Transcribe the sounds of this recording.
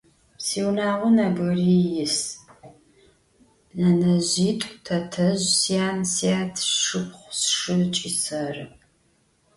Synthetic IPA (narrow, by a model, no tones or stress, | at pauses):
siːwnaːʁʷɔnaːbɨrijɪs | nɐnɐʑiːtʷʼtʰɐtʰɐʑsijaːnsiaːtʰʂɨpʰχʷsʂɨt͡ʃʼisɐrɨ